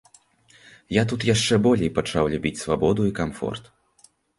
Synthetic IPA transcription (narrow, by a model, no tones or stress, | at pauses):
jat̪ut̪jaʂt͡ʂɛbɔlʲejpat͡ʂawlʲubʲit͡sʲsvabɔd̪uikamfɔ̰rt̪